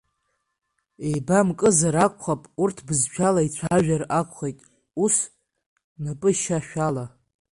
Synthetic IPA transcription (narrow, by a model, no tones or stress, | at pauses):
ejbamkʼɨzaɾakʷʰχapʼurtʰbɨzt͡ʃʷᶣʰalait͡ɕʷʰaʒᶣarakʷʰʼχejtʼ | us | napʼɨʃaʃᶣala